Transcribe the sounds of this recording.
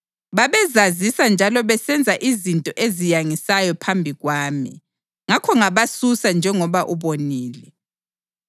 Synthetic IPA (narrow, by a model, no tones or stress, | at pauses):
βaβɛzazisand͡ʒʱalɔβɛsɛnd͡zʱaʔizintʼɔʔezijaŋisajɔpʰambʱiɣwaːmḭ | ŋakʰɔŋaβasusand͡ʒʱɛŋɔβaʔuβoniːlɛ